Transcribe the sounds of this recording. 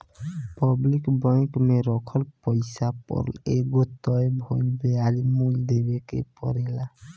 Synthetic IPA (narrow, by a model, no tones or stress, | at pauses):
pɔblikbɔjkmeɾɔkʰɔlpɔjsapɔ̰ɾleɡot̪ɔebʱojnbeaɾimuld̪ebekḛpɔ̰ɾela